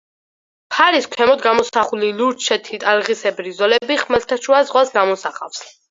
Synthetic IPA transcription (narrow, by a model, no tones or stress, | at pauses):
pʰaɾiskʷʰɛmɔd̪ɡamɔsaχuliluɾt͡ʃʰɛt̪ʰit̪ʼalʁisɛbɾizɔlɛbiχmalt̪ʰaʃuazʁwasɡamɔsaχa̰fs